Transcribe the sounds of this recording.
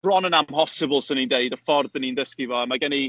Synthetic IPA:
b̥rɔnənamhɔsɪbəlˠsənindeɨdəfɔrdənindəskivɔəmaɡɛni

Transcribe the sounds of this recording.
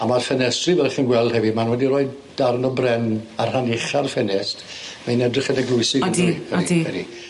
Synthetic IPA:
amarfɛnɛstrivɛlˠχənɡwɛlˠd̥hɛvimanwɛdiroːɨd | d̥arnɔbrɛnarhanɪχarfɛnɛst | mainɛdrɪχɛnəɡlʊɨsɪiəɾidɛ̰di

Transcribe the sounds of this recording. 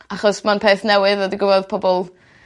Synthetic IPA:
aχɔsmanpʰeːθnɛwɨðɔdiɡʊvɔðpʰɔbɔlˠ

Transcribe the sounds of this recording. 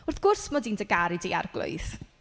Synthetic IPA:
ʊrθɡ̥ʊrsmɔdiːndəɡaɾidia̰rɡlʊ̰ɨθ

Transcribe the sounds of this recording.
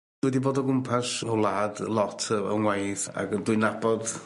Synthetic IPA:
wɛdiboːdɔɡʊmpʰasɔwlˠaːdlˠɔtʰəə̰ŋwajθa̰ɡəndwʊɨnab̥ɔd

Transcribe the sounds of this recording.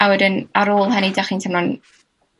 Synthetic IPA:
awɛdɪnaɾoːlˠɦənidaχiːntʰəmnɔn

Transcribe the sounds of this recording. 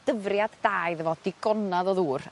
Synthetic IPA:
d̥əvrjaddaːjðəvɔd̥ɪɡɔnaðɔðuːr

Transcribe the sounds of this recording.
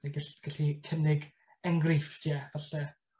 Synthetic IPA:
aɡaɬɡ̥aɬikʰənɪɡ | əŋɡriftʰjɛvaɬɛ

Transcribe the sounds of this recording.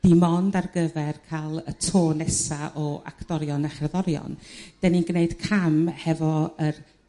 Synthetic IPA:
d̥imɔndarɡəvɛrkʰalˠətʰoːnɛsaʔɔa̰kʰd̥ɔɾjɔnaχrɛðɔɾjɔ̰nd̥ɛninɡneɨd̥kʰamhɛvɔər

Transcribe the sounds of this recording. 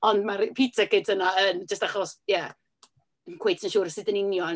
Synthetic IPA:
ɔndmarpʰitʰakɪtʰənaənd͡ʒəstaχɔsjɛ | ənkʰwejtʰənʃuːɾəsɨdənɪnjɔ

